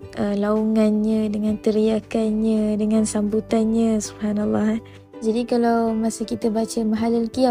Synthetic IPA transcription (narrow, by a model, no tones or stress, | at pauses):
ʔəlauŋanɲãdəŋãnt̪əɾiakanɲãdəŋãnsambut̪anɲasubhanalːɑh | d͡ʒadikalawmasəkit̪əbat͡ʃəmaɦalalkia